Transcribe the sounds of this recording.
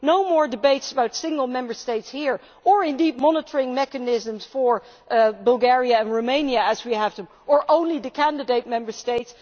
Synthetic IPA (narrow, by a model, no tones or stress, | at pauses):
noʊmɔɹdɨbeɪtsəbaʊtsɪ̃ŋɡəl̩ˠmɛ̃mbə˞steɪtshiɹ | ə˞ɪ̃ndid̚mɑnətʰə˞ɪ̃ŋmɛkɨnɪzə̃mz̥fə˞ | bəlˠɡɛɹiɨɨ̃nɹoʊmẽɪ̃njɨːzwiæv̥tə | ʔə˞ʔõʊ̃nliðɨkʰæ̃ndɨdeɪt̚mɛ̃mbə˞steɪts